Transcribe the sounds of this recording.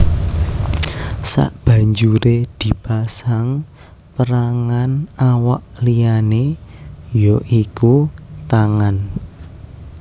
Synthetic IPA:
sa̰ʔb̥ä̤ɲd͡ʒuɾed̪̥i̤pasaŋ | pəɾaŋanawaʔlijane | joʔikut̪aŋan

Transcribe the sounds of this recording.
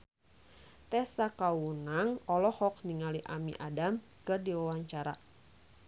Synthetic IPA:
t̪ɛsakawunaŋɔlɔhɔk̚niŋaliʔamiʔadam | kɨrdiwawaɲt͡ʃaɾa̰

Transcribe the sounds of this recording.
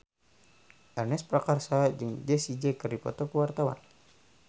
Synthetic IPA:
ʔɛrnɛspɾakarsad͡ʒɨŋd͡ʒɛsid͡ʒɛkərdipɔ̰t̪ɔkəwart̪awa̰n

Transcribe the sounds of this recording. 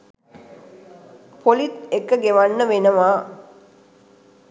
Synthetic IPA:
pʰolit̪ekːəɡeʋanːəʋenəʋaː

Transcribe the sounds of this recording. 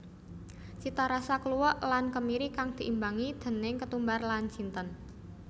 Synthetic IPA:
t͡ʃit̪aɾasakəluwɔʔlankəmiɾikaŋd̪̥i̤ʔimbaŋid̪̥ə̤nɪŋkət̪umbarlant͡ʃint̪ən

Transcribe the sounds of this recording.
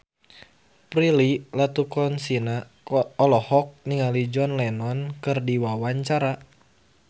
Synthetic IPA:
pɾililat̪ukɔnsina | ɔlɔhɔk̚niŋalid͡ʒɔnlɛnɔnkɨrdiwawaɲt͡ʃaɾa

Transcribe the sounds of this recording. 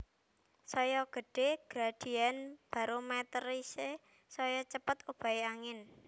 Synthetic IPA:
sɔjɔɡ̥ə̤ɖ̥e̤ɡ̥ɾaɖ̥i̤anb̥a̤ɾomɛt̪ərise | sɔjɔt͡ʃəpət̪ub̥a̤eaŋɪn

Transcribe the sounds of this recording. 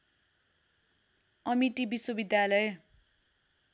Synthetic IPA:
ʌmiʈibiswʌbid̪jalʌj

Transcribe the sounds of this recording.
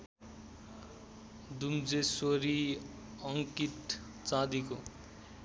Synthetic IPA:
d̪umd͡zesoɾi | ʌŋkit̪ | t͡sãd̪iko

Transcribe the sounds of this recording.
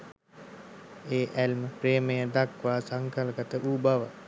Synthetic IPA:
eːʔælməpɾeːməjəd̪akʋaːsaŋkalkət̪əʔuːbaʋə

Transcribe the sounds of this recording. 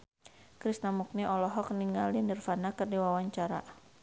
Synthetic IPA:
kɾisnamuk̚niʔɔlɔɦɔk̚niŋalinərfanakɨrdiwawaɲt͡ʃaɾa̰

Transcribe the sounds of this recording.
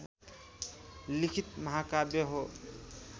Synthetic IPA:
likʰit̪̚məɦakabjeɦo

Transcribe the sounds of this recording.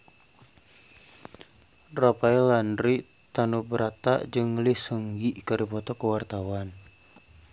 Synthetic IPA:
ropaɛlandɾi | t̪anubəɾat̪a̰ʔd͡ʒɨŋlisəŋɡiʔkəɾipɔt̪ɔkəwart̪awan

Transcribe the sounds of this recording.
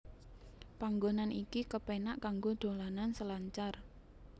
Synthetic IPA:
paŋɡonanikikəpenaʔkaŋɡod̪̥o̤lanansəlaɲt͡ʃar

